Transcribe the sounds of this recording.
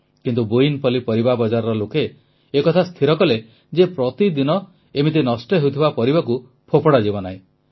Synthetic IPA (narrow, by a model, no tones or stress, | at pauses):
kint̪ubuinpɔlipɔɾibabɔd͡ʒaɾɔɾɔlokeː | kɔt̪ʰast̪ʰiɾɔkɔle | d͡ʒepɾɔt̪id̪inɔ | emit̪inɔsʈɔɦewt̪ʰibapɔɾibaku | pʰopɔɽad͡ʒibɔnaɦĩ